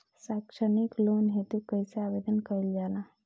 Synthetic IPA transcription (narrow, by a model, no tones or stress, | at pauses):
sakʃəniklonɦet̪ukəjseabed̪ənkəɾild͡ʒalã